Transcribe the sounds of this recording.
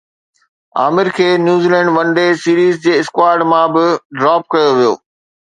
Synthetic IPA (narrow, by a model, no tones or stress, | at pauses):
a̰ːmɪɾkʰeːnjuːziːlɛ̃ːɳɖʋɐ̃ɳɖesiːɾiːzd͡ʑeːɪskwaːɾɖmãbɪɖɾɔːp̚kɐjoʋijo̰ː